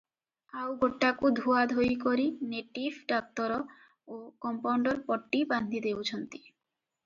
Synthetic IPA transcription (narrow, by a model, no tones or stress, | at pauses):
awɡoʈːakud̪ʱuad̪ʱojkoɾineʈibʱɖak̚t̪ɔɾɔ | okɔmpawɳɖɔɾpɔʈːiband̪ʱid̪ewt͡ʃʰɔnt̪i̥